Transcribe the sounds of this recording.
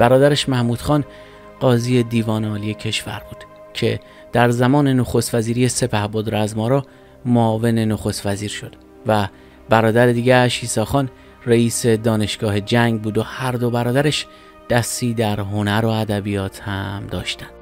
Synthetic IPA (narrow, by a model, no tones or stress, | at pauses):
b̥æɾɒːd̪æɾeʃmæhmuːd̪̥xɒːn | ɢɒːziːje̞d̪iːvɒːneɒːlije̞cʰe̞ʃvæ̰ɾbuːd̪̥ | cʰe̞̰ | d̪̥æɾzæmɒːne̞no̞xost̪væziːɾiːje̞se̞pʰæhboːd̪ɾæzmɒːɾɒː | moɒːve̞ne̞no̞xo̞st̪væziːɾʃo̞d̪̥ | væ | bæɾɒːd̪æɾed̪iːɟæʃiːsɒːxɒːn | reiːse̞d̪ɒːne̞ʃɡ̥ɒːɦe̞d͡ʒæŋɡbuːd̪ohæɾd̪o̞bæɾɒːd̪æɾeʃ | d̪̥æst̪iːd̪æɾɦo̞næɾo̞æd̪æbijɒːt̪ʰhæmd̪ɒːʃt̪ænd̪̥